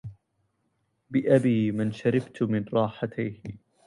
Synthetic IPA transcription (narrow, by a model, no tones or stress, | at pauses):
bɪʔabiːmanʃaɾɪbt̪mɪnɾˤɑːħat̪ʰajh